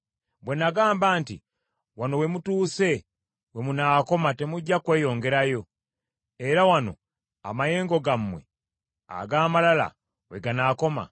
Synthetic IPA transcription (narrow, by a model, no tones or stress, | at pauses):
bwe̞naɡaːmbaːntḭ | wano̞we̞mutuːse̞ | we̞munaːko̞mate̞muɟːakwe̞ːjo̞ːŋɡe̞ɾajo̞ | e̞ɾawano̞̰ | a̰maje̞ːŋɡo̞ɡamːwe̞̰ | a̰ɡaːmalala̰ | weɡanako̞ma̰